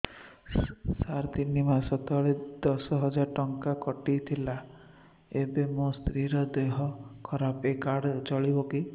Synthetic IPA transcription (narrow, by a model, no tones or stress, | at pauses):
saɾd̪inimasɔt̪ɔɭed̪̥ɔsɔɦɔd͡ʒaɾʈɔŋkakɔʈijt̪ʰila | ebemost̪ɾiɾɔd̪eɦɔkʰɔɾapekaɽt͡ʃɔɭiboki